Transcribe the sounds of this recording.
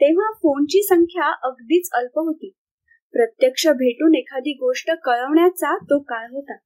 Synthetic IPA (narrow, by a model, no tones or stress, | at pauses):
t̪eʋ̤afont͡ɕiːsəŋkʰjaʔəɡd̪iːt͡səlpəɦot̪iː | pɾət̪jəkʂəbʱeʈuːnekʰad̪iːɡoʂʈəkəɭəʋɳjat͡sat̪okaɭɦot̪a